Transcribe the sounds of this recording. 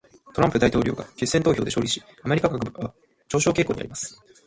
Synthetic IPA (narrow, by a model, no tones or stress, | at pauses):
t̪o̞ɾãmpɯ̟d̪ait̪o̞ːɾʲo̞̰ːɡa̰d͡ʑisːe̞nt̪oːço̞ːd̪e̞ɕo̞ːɾʲiɕi̥ | ameikaɡakɯba | t͡ɕo̞ːɕo̞ːke̞ːko̞ːɲ̟ia̰ɾimasɨ̥